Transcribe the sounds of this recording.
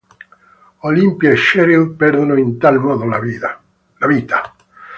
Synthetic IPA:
olimpjeeʃɛɾilpɛɾd̪onoint̪almɔːd̪ola | laviːt̪a

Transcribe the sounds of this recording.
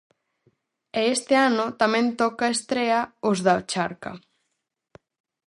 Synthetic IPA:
eest̪ɪanʊt̪amẽnt̪ɔkaest̪ɾeaʊzðaot͡ʃaɾka̰

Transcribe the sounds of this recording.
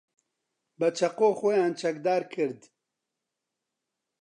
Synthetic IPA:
bɐt͡ʃʰɐqoːxɔjaːnt͡ʃʰɐkd̪aːɾkʰɨɾd̪

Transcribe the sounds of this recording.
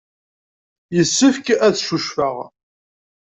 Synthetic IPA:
jəsːəfkæθʃuʃfəʁ

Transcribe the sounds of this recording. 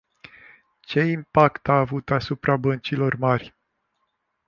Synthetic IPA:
t͡ʃe̞impakt̪aːvut̪asupɾabənt͡ʃilo̞rmarʲ

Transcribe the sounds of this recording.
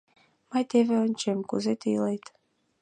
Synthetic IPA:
mɑjt̪eβeonʲt͡ɕemkuzet̪ilejt̪

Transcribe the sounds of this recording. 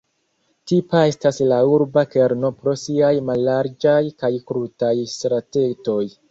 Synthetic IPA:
tipae̞staslauɾbake̞ɾno̞pɾo̞siajmalːaɾd͡ʒajkajkɾutajstɾate̞to̞j

